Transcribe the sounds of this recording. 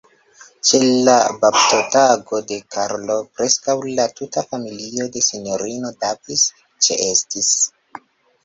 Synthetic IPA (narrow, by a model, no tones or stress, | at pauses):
t͡ʃe̞llababtotaɡo̞de̞kaɾlo̞pɾe̞skawlatutafamilio̞de̞sinɲo̞ɾino̞davis | t͡ʃe̞̰ʔestis